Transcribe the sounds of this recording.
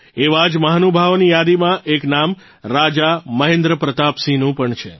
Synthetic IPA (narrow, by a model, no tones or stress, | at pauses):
eʋad͡ʒməɦanubʱaʋnijad̪imãʔeknam | ɾad͡ʒaməɦẽnd̪ɾəpɾət̪apsinũpəɳt͡ʃʰḛ